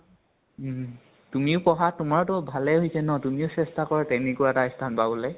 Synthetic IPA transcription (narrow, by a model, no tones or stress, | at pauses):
tumiʊpɔɦatumaɹtɔbʱalɛɦojsɛnɔtumiʊsɛstakɔɹatɛnekuaɛtaistʰanpabolɛ